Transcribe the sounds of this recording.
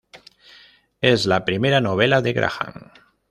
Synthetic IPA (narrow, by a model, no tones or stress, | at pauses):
ezlapɾimeɾanoβ̞ɛlaðeɣɾʔa̰xa̰ŋ